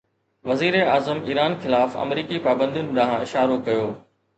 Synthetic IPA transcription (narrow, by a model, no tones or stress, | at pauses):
ʋɐziːɾeaːzəmḭːɾaːnxɪlaːfɐ̰mɾiːkipaːbə̃nd̪ijʊnɪ̆ɗãːɦãɪʃaːɾokɐjoː